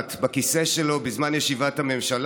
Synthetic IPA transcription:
t̪bakiseʃelo̞bizmanjeʃivathame̞mʃal

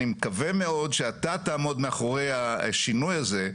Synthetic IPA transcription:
imekaveme̞o̞dʃeatataːmo̞dmeaχoʁe̞jaʃinujaze̞

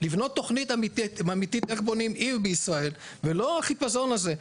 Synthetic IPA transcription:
livno̞t̪ːo̞χnit̪amitiamit̪it̪eχbo̞nimivbeisʁae̞l | velo̞aχipazo̞naze̞

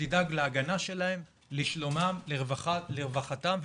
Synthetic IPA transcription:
idaɡleaɡanaʃe̞laem | liʃlomamleʁvaχaleʁvaχat̪amv

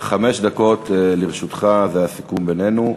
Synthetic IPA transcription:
χame̞ʃd̪ako̞t̪liʁʃut̪χaveasi̥kumbene̞nu

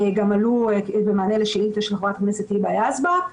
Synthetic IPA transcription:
eɡamaluebemaaːneleʃeilt̪eʃelχovat̪kneset̪ibeajazba

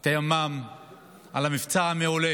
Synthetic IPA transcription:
t̪ajamam | a̰lamift͡saameole

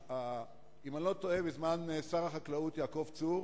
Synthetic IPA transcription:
a | imanlo̞t̪oebezmansaʁaχaklaut̪jaːko̞vt͡suʁ

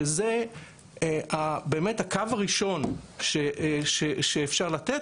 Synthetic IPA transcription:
eze | abeːmethakavaʁiʃo̞nʃeʔʃeʃeːfʃaʁlat̪et

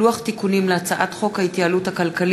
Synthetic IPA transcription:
uaχt̪ikunimleat͡saʔat̪χo̞khait̪jaaluthakalkal

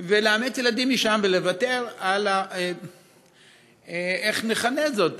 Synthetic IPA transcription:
veleamet͡sjeladimːiʃamvelevate̞ʁala | eχneχanezo̞t

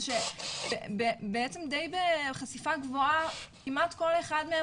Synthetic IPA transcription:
ʃeebebeet͡semd̪ejbeχasifaɡvoakimatko̞le̞χadme

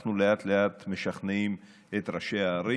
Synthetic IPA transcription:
χnuleat̪leat̪meʃaχnim | et̪ɾaʃeaːɾi

